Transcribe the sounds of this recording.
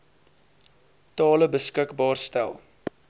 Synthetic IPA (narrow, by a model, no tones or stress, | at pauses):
tɑːləbəskəkbɑːrstælˠ